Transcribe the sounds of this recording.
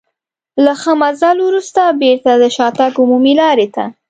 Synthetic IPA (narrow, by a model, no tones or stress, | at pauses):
laxəmazalwɾust̪abeɾt̪ad̪əʃɑt̪aɡumumilɑɾet̪a̰